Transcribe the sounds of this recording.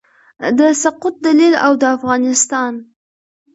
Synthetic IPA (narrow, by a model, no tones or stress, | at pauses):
d̪əsaqʊt̪̚d̪alilawd̪əafɣɑnɪst̪ɑn